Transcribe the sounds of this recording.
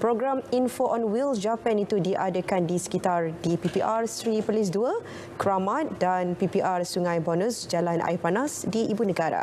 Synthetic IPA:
pɾoɡɾaminfoʔɔnwild͡ʒapanit̪udiʔadəkandisə̥kit̪ardipipiʔarsɾipərlis̬duə | kɾamãt̪̚danpipiʔarsuŋãjbɔnũsd͡ʒalana̰ipanasdiʔibunə̃ɡaɾa̰

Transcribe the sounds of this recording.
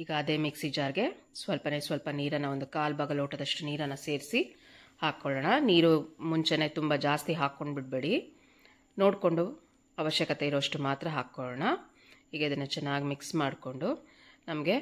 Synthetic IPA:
iːɡɐːd̪eːmiksid͡ʒaːɾɡe̞sʋɐlpɐneːsʋɐlpɐniːɾɐnːɐʋo̞nd̪ukaːlbɐɡɐloːʈɐd̪ɐʂʈuniːɾɐnːɐse̞ːɾsi | haːkːɔɭɐɳɐniːɾumuɲt͡ʃene̞ːt̪umbɐd͡ʒaːst̪iɦaːkːo̞ɳɖbiʈ̚beɽi | no̞ːɽko̞ɳɖu | ɐʋɐʃjɐkɐt̪eiɾoːʂʈumaːt̪ɾɐɦaːkːoɭɐɳɐ | iːɡɐid̪ɐnːɐt͡ʃɛnːaːɡimiksmaːɽko̞ɳɖu | nɐmɐɡe̞

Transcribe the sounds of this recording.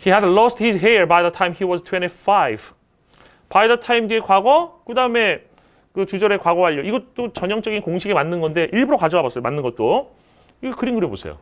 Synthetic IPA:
hiɦɛdlɔsthizɦiɹbajðətʰãimhiwʌztʰweñifajb | bajdʌtʰaimdiekwaɡʌkɯdaɯme̞ | kɯt͡ɕud͡ʑʌɾekwaɡʌɦaʎːʌiɡʌt͈ot͡ɕʌɲʌŋt͡ɕ͈ʌɡinkoŋɕʰiɡemanːɯnɡʌnde̞ʔiɭbuɾokad͡ʑʌabas͈ʌjomanːɯnɡʌt̚t͈o | iɡʌkɯɾinɡɯɾjobosʰḛjo̰

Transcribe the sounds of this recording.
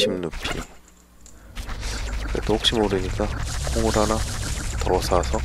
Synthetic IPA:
ɕʰimnɯpʰi | kḛt̪͈ohok̚ɕ͈imoɾɯɲik͈akʰoŋuɾanatʌɾʌsʰasʰʌ

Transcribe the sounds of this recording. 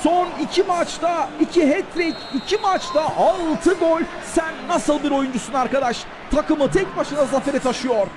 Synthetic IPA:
sonicʰimat͡ʃt̪aicʰiɦɛt̪ɾecicʰimat͡ʃt̪aʔalˠt̪ʰɯbolʲ | sænːasɯlˠbiɾo̞jund͡ʒusunaɾkad̪aʃ | t̪ʰakɯmɯt̪ʰɛc̚baʃɯnd̪azafeɾɛt̪ʰaʃɯjoɾ

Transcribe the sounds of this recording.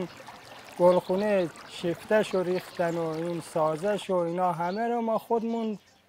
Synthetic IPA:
n | ɡ̥olxuːneʃift̪æʃoɾiːxt̪ænoinsɒːzæʃoinɑːɦæmeɾomɒːxod̪mund̪

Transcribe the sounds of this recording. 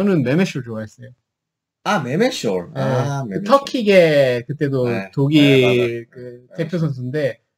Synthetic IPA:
ʌnɯnme̞meɕoɭt͡ɕoaes͈ejo | amemeɕoɾeɯtʰʌkʰiɡekɯt͈e̞dotoɡikɯte̞pʰjosʰʌns̬ʰɯnde̞

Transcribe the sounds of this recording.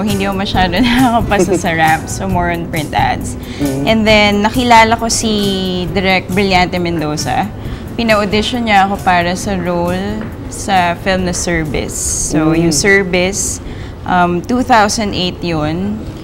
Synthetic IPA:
hɪ̃nd̪iːkomɐʃaːd̪onɐɐkopɐsɐsɐɹap̚somɔɹɔnpɹɪnt̪ʔa̰d̪s | ʔɛ̃nd̪ɛnːɐkɪlaːlɐko̞sid̪ɛɾɛk̚bɹɪljant̪ɛmɛnd̪oːsɐ̰ | pɪnɐʔod̪ɪʃonɲɐʔɐko̞paːɾɐsɐɹowl | sɐfɪlmnɐsɛɹvɪ̰sːojʊŋsɛɹvɪs | ʔɐmt̪uːθawsɐnd̪ʔejt̪jon

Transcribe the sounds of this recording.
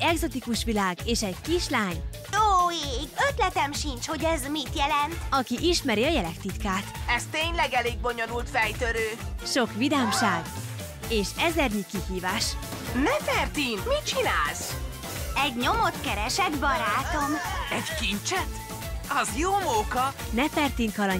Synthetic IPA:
ɛɡzo̞t̪ikuʃʋilaːɡeːʃɛɟkiʃlaːɲ | joːeːɡøt̪lɛt̪ɛmʃint͡ʃho̞ɟɛzmit̪jɛlɛnt̪ɒkiʔiʃmɛɾiɒjɛlɛkt̪it̪kaːt̪ɛst̪eːɲlɛɡɛleːɡ̚bo̞ɲonult̪fɛjt̪øɾøːʃo̞kʋid̪aːmʃaːɡ | eːʃɛzɛrɲikihiːvaːʃnɛfɛrt̪inmit͡ʃinaːls | ɛɟɲo̞mot̪kɛɾɛʃɛd̪bɒɾaːt̪o̞mɛɟkint͡ʃɛt̪ | ɒzjoːmoːkɒnɛfɛrt̪iŋkɒlɒɲ

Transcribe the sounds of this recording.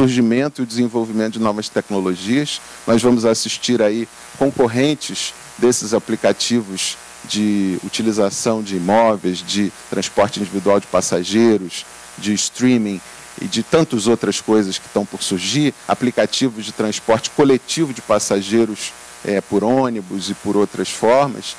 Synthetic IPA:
suɾʒimẽnt̪ʊiʊd͡ʒɪzẽvowvimẽt̪ʊd͡ʒɪnɔvɐst̪ɛknoloʒiɐs | nʔɔzvɐ̃mʊzasiʃt͡ʃiɾai | kõkoɦẽnt͡ʃɪʃ | d̪esɪzaplikat͡ʃivʊz̥ | d͡ʒɪṵt͡ʃilizasɐ̃w̃d͡ʒɪːmɔvejzd͡ʒɪt̪ɾɐ̃spɔɾt͡ʃɪĩd͡ʒivid̪uawd͡ʒɪpasaʒejɾʊs | d͡ʒɪst̪ɾĩmĩ | ɪ̰d͡ʒɪt̪ɐ̃nt̪ʊzowt̪ɾɐskojzɐskɪ̥t̪ɐ̃w̃pʊɾsuɾʒiɾa̰plikat͡ʃivʊzd͡ʒɪt̪ɾɐ̃spɔɾt͡ʃɪ̥kolet͡ʃivʊd͡ʒɪpasaʒejɾʊs | ɛpʊɾõnibʊzɪpʊɾowt̪ɾɐsfɔɾmɐ̰s

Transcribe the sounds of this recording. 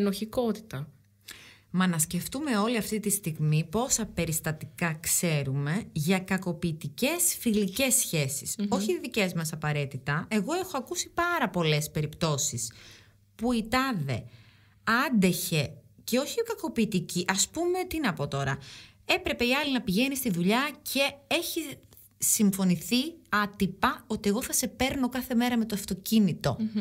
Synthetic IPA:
noçiko̞t̪i̥t̪ɐ | mɐnɐsce̞ft̪ume̞o̞liɐft̪it̪ist̪iɣmipo̞sɐpe̞ɾist̪ɐt̪ikɐkse̞ɾume̞ʝɐkɐko̞piːt̪ice̞sfilice̞sːçe̞si̥so̞çiðice̞zmɐsɐpɐɾe̞t̪it̪ɐe̞ɣo̞e̞xoɐkusipɐɾɐpo̞le̞spe̞ɾipt̪o̞sis | puit̪ɐðe̞ | ɐnd̪e̞çe̞ce̞o̞çikɐko̞piːt̪iciʔɐspumeot̪inɐpo̞t̪o̞ɾɐ | e̞pɾe̞pe̞iɐlinɐpiʝe̞nist̪iðuʎɐcʰe̞e̞çi | siɱfo̞niθiɐt̪ipɐo̞t̪ie̞ɣo̞θɐse̞pe̞ɾno̞kɐθe̞me̞ɾɐme̞t̪oɐft̪o̞cinit̪o̞̰

